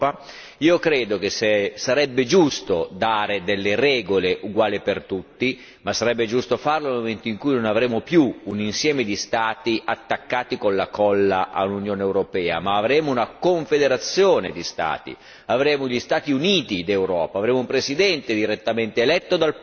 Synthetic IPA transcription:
a | iːokɾeːd̪okesesaɾɛbːed͡ʒust̪od̪aːɾed̪elːeɾɛːɡoleʔuɡwaːlipert̪ut̪ːi | masːaɾɛbːed͡ʒust̪ofarlolmoment̪oiŋkujnonavɾeːmopjuːninsjɛːmed̪ist̪aːt̪iʔat̪ːakːaːt̪ikonlakɔlːaʔa̰lunjoːneːwɾopɛːa̰maːvɾɛːmounakoɱfed̪eɾat̪sːjoːned̪ist̪a̰ːt̪ḭ | avɾeːmoʎist̪aːt̪iuniːt̪id̪ewɾɔːpaːvɾeːmoumpɾesid̪ɛnt̪ed̪iɾet̪ːament̪eːlɛt̪ːod̪al

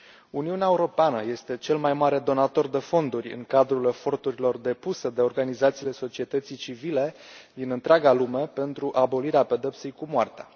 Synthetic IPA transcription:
uniuneaeuɾo̞peanəje̞st̪e̞t͡ʃe̞lmajmaɾe̞d̪o̞nat̪o̞rd̪e̞fo̞nd̪urʲɨ̰ŋkad̪ɾule̞fo̞rt̪uɾilo̞rd̪e̞pused̪e̞o̞rɡanizat̪siːle̞so̞t͡ʃie̞t̪ət̪sijt͡ʃivile̞ | d̪inɨnt̪ɾeaɡalume̞pe̞nt̪ɾuʔabo̞liɾeape̞d̪e̞p̪sejkumoart̪ea̰

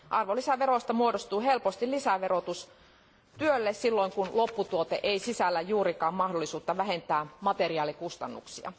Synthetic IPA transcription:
ʔɑrʋolisæʋeɾost̪ɑmuodost̪uːɦe̞lpost̪ilisæʋerot̪us | t̪yølːessilːoiŋkunlopːut̪uot̪eʔeisisælːæjuːɾikɑːmmɑhdolːˑisuːt̪ːɑʋæɦent̪æːmɑt̪eriɑːlikust̪ɑnːṵksiɑ̰

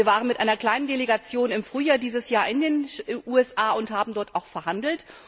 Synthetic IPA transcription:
ɐvaːʁənmɪtʔaɪnɐkl̥aɪnəndeleɡat͡sjoːnɪmfʁ̥yːjaːɐdiːzəsjaːɐɪndeːnʔuːɛsʔaːʊnthaːbm̩dɔɐtaʊxfɛɐɦandl̩t

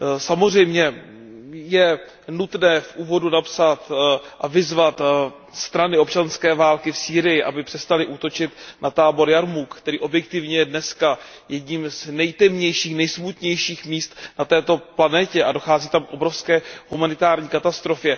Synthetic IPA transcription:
samozr̝ɛjmɲɛ | jɛ | nut̪nɛːfʔuːvo̞dunapsat̪ʔavɪzvat̪ | st̪ɾanɪop̚t͡ʃanskɛːvaːlkɪfsiːɾɪjɪʔabɪpr̥ɛst̪alɪʔut̪o̞t͡ʃɪt̪nʔat̪aːbo̞ɾjaɾmukkt̪ɛɾiːʔo̞bjɛk̚t̪ɪvɲɛjɛdnɛska | jɛdɲimznɛjt̪ɛmɲɛjʃiːxnɛjsmut̪ɲɛjʃiːxmiːst̪nat̪ɛːt̪o̞planɛcɛʔadoxaːziːt̪amkʔo̞bɾofskɛːhumanɪt̪aːɾɲiːkat̪ast̪ɾo̞fjɛ

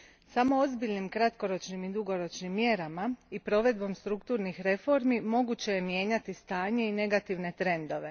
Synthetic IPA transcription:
samo̞ozbiʎnimkɾat̪ko̞ɾo̞t͡ʃnimid̪uɡo̞ɾo̞t͡ʃnimːje̞ɾamaipɾo̞ʋe̞d̪̚bo̞mst̪ɾukt̪uːɾnixɾe̞fo̞ɾmimo̞ɡut͡ɕe̞jemje̞ːɲat̪ist̪aːɲe̞ine̞ɡat̪iʋne̞t̪ɾe̞nd̪o̞ʋe̞

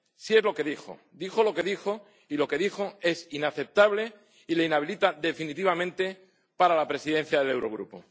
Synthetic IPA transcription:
sie̞zlo̞ke̞ðixo̰ | d̪ixo̞lo̞ke̞ðixo̞ | ilo̞ke̞ðixo̞e̞sinaθe̞p̚t̪aβle̞ | ileinaβ̞ilit̪aðe̞finit̪iβamẽ̞nt̪e̞ | paɾalapɾe̞siðe̞n̟θjaðe̞le̞wɾo̞ɣɾṵpo̰

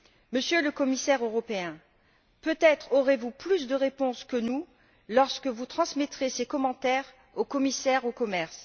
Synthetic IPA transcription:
məsjøləkɔmisɛʁøʁɔpeɛ̃ | pøt̪ɛt̪χoʁevuplysd̪əʁepɔ̃skənu | lɔʁskəvut̪χɑ̃smɛt̪χesekɔmɑ̃t̪ɛʁ | okɔmisɛʁokɔmɛʁs

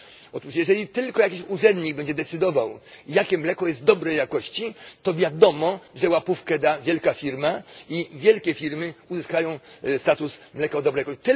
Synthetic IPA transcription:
ɔt̪uʂjɛʐɛlʲit̪ɘlkɔjakʲiɕuʐɛnd̪ɲiɡbɛɲd͡ʑɛd̪ɛt̪sɘd̪ɔvawjakʲɛmlɛkɔjɛst̪̚d̪ɔbɾɛjakɔɕt͡ɕit̪ɔvʲjad̪ɔmɔʐɛwapufkɛd̪avʲjɛlkafʲiɾmaivʲjɛlkʲɛfʲiɾmɘuzɪskajɔ̃w̃st̪at̪usmlɛkaɔd̪ɔbɾɛjakɔt̪

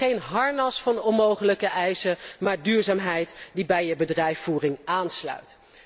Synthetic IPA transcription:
ejnɦɑɹnɑsfɑnɔnowχələkəʔɛjsəmaːɹdyːɹzaːmɦɛjtdibɛjəbədrɛjfuːrɪŋaːnslœ̰ɥt

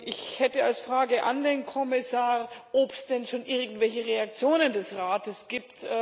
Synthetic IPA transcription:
ʔɪçhɛtəalsfʁ̥aːɡəʔandeːnkʰɔmɪsaːʁʔɔpsd̥ɛnʃoːnʔɪɐɡŋ̩tv̥ɛlçəʁeak̚t͡sjoːnəndɛsʁaːtəsɡ̥iːp̚t

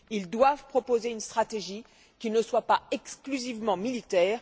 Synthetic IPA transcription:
ild̪wavpχɔpozeynst̪χat̪eʒi | kʲinəswapaɛksklyzivmɑ̃milit̪ɛːʁ

